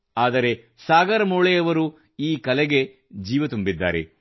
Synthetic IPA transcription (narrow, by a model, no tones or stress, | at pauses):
aːd̪ɐɾe̞ | saːɡɐɾɐmoːɭɛjɐʋɐɾu | iːkɐlɛɡe̞ | d͡ʒiːʋɐt̪umbid̪ːa̰ːɾe̞̰